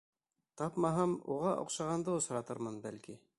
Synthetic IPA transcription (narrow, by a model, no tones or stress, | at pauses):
t̪ɑpmɑɦɑmṵʁɑʔŏ̰qʃɑʁɑnd̪ɤŏsɾɑt̪ɤɾmɤnbælki